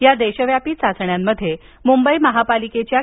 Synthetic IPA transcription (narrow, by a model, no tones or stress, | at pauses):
jad̪eɕəʋjapiːt͡sat͡sɳjamːəd̪ʱːje | mumbəiməɦapaliket͡ɕja